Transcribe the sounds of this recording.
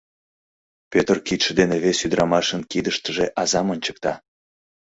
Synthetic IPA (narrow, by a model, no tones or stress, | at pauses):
pøt̪rkit̪ʃəd̪eneβesyd̪ɾʔɑmɑʃənkid̪əʃt̪əʒeʔɑzɑmənʲt͡ɕə̥k̚t̪ɑ